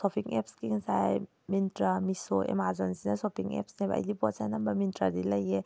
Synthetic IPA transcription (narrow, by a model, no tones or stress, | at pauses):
sɔpʰiŋɛ̰pskiŋsaj | mintɾamisoʔḛmazɔnsinɐsɔpʰiŋɛ̰psnebɐ̰jlibɔt̚sajnɐmbɐmintɾadilɐje